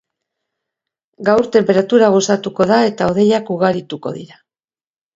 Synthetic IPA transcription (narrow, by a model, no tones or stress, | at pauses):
ɡawɾt̪e̞mpe̞ɾat̪uɾaɣ̞o̞sat̪uko̞ðae̞t̪ao̞ð̞e̞jakuɣ̞aɾit̪uko̞̰ðḭɾa